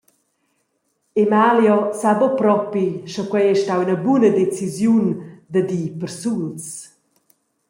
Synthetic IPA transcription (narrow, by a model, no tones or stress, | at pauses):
emaljɔsabɔpɾɔpiʃɔkwɛjɛʃtawinəbunəd̪et͡sizjund̪əd̪ipəɾsuns